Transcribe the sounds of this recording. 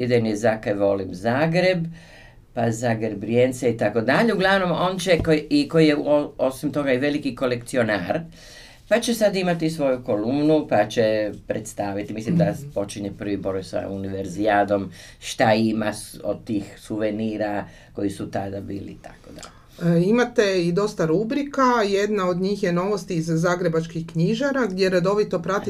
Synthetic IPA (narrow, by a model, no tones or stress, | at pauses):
id̪enjezakajʋo̞limzaːɡɾe̞b | pazaɡɾebɾjent̪seit̪ako̞d̪aʎeuɡlˠaʋno̞mo̞ːnt͡ɕekoiko̞jijeoosimt̪o̞ɡaiʋe̞likiko̞le̞kt̪sio̞naɾ | pat͡ʃe̞sad̪imat̪isʋo̞juko̞lumnupat͡ʃepɾet̪st̪aːʋit̪imislimd̪apo̞t͡ʃiɲepr̩ʋiboɾojsa̰uniʋeɾziaːd̪o̞m | ʃt̪aimaod̪̚t̪iːxsuʋeniːɾa | ko̞isut̪ad̪abiːlḭt̪akod̪a | imat̪e̞id̪o̞st̪aɾubɾikaje̞d̪nao̞d̪ɲiːxje̞no̞ʋo̞st̪iːzːaːɡɾe̞bat͡ʃkixkɲiʒaɾaɡd̪je̞ɾad̪o̞ʋit̪o̞pɾat̪i